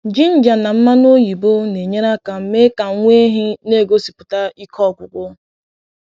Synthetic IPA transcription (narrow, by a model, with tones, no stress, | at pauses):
d͡ʒi˦n̩˦d͡ʒa˨na˨m̩˦ma˦no˦ji˨bo˦ne˨ɲe˦ɾa˦ka˨m̩˦me˦ka˨˦ŋʷe˦ɦi˦ne˦˨ɡo˦si̥˨pʊ˨ta˦i˦kʰɔ˦˨kʷʊ˨kʷʊ˦